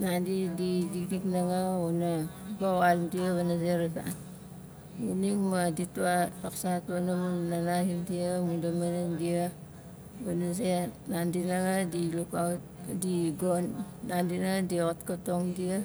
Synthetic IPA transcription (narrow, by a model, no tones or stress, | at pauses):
nandididikdiknaŋaonabawalmdiaβanazeɾata̰ | uniŋmadituataksatuanamunnanahindiamudamanandia | banasenandinaŋadiluka | diɡonː | andinadiotkatoŋdia